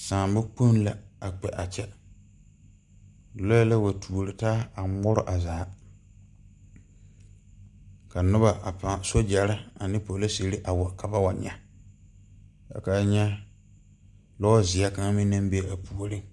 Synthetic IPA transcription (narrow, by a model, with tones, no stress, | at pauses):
sãː˨mbʊ˦k͡po˦n˦la˨a˨k͡pɛ˨ʔa˨t͡ʃɛ˦˨˦ | o˦la˦wa˨tʰu˨o˨ɾɪ˨taː˦a˨mʊ˦ɾʊ̰˦ʔa˨zaː˨˦ | ka˨nʊ˦ba˨a˨pa˨so˦d͡ʒa˨ɾɪ˦a˨nɪ˦po˨˦la˦se˨ɾi˦ʔa˨wɔ˨ka˨ba˦wa˨ɲɛ̰˦ | ja̰˨ka˦ɲɛ˦ | lɔ˦zɪ˨a˦ka˦ŋ˦mɪ̃˦nã˦m˦be˦˨a˨pu˦˨o˦ɾɪ˦